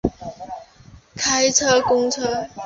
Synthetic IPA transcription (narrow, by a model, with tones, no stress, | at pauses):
kʰa˥ɪt͡sʰɤ˥kʊ˥ŋt͡sʰɤ˥